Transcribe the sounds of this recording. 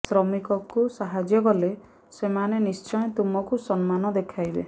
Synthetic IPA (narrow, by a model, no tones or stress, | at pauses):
sɾɔmikɔkusaɦad͡ʒjɔkɔle | semanenist͡ʃɔjɔ̃t̪umɔkusɔnmanɔd̪ekʰajbḛ